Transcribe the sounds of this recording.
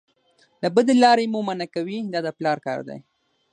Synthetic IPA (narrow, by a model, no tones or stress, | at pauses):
labəd̪elɑɾemumanakawid̪ɑd̪əplɑɾkɑ̰ɾd̪a̰j